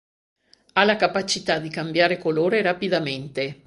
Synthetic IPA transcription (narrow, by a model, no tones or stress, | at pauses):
alakapat͡ʃit̪ad̪ikambjaːɾekoloːɾeɾapid̪ament̪e